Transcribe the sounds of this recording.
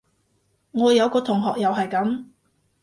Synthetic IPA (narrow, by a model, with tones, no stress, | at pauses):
ŋɔː˨˧jɐ˨˧wkɔː˧t̪ʰʊ˨˩ŋɦɔː˨k̚jɐ˨wɦɐ˨jkɐ˨˥m